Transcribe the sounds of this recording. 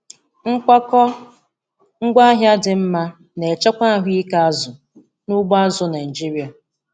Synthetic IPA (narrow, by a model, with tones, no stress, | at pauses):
ŋ̩˦kʷa˦kɔ˦ | ŋ̩˦ɡʷa˦ɦja˦dɪ˨m̩˦ma˦ | ne˨t͡ʃɔ˦kʷa˦˨ɦʷi˦i˦ka˦a˦zʊ˨ | nʊ˦ɡ͡ba˦zʊ˨˦na˨n˨d͡ʒi˦ɾi˨˦a˨